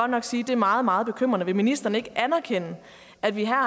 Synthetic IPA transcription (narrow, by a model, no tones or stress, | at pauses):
ɒ̽d̥nɒ̽ɡ̥siːd̥e̝ɐmɑ̈ːð̞̩ˠmɑ̈ːð̩ˠb̥e̝kʰøm̰ʁɐnəʋe̝minisd̥ɐnəe̝ɡ̥əʔænɐkʰen̰ə | æd̥ʋiɦæɐ̰